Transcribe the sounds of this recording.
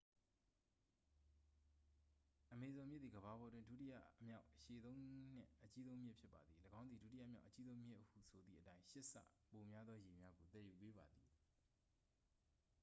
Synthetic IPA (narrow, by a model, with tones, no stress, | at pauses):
ʔəme˨zõ˨mjɪ˦t̪t̪ːi˨ɡəβa˨bɔ˨twɪ̃˦ndṵ˦˨tɪ˦ja̰˦˨mja˦ʊʔʔəʃe˨t̪õ˦ʊ̃n̥ɪ̰̃˦ʔət͡ɕi˦zõ˦ʊ̃mjɪ˦ʔpʰjɪ˦pːa˨d̪ði˨ləɡã˦ʊ̃nd̪ði˨du˦t̬i˦ja̰˦˨mja˦˨ʊʔət͡ɕi˦zõ˦ʊ̃mjɪ˦ʔəhṵ˦˨sʰo˨d̪ðḭ˦˨ʔətã˦ɪ̃ʃɪ˦ʔsä̰˦˨ | po˨mja˦d̪ðɔ˦je˨mja˦ɡo˨t̪ɛ˦˨ju˨pe˦ba˨d̪i˨